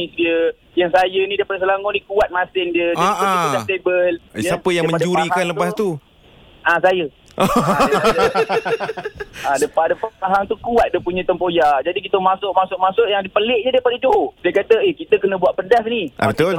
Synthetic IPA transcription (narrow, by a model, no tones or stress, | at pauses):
isdiə | jaŋsajənidapadəs̬əlaŋɔnikuat̪̚masɪndiəd͡ʒadaiaədat̪ebəljsapəjaŋmə̃aɲd͡ʒuɾikanləpast̪u | ʔasajə | adəpadəpaaɦaŋt̪ukuat̪̚dəpuɲə̃t̪əmpojad͡ʒadik̬it̪əmasʊʔmasʊʔmasʊʔjaŋdipəlɪʔɲədapaʔid͡ʒoɦodiəkat̪əekit̪əkənə̃buaʔpədas̬niʔa̰t̪o